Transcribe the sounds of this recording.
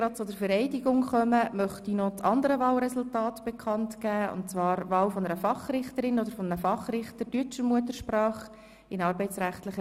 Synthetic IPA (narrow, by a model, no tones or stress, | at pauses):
ɡɾɑt̚t͡sʊdəɾfəɾɛɪdiɡʊŋχœməmœχtinɔt͡sɑndəɾəʋɑːlɾɛsʊltɑːtb̥ekʰɑntkæːʊ̰ntt͡sʋɑːɾvɑːlfɔnəɾəfɑχrɪχtəɾɪnɔd̪əɾfɔnəɾəfɑχrɪχtətyt͡ʃəɾmuətəɾʃprɑːχ | ɪnɑːɾbɛɪt͡sɾæχtlɪχə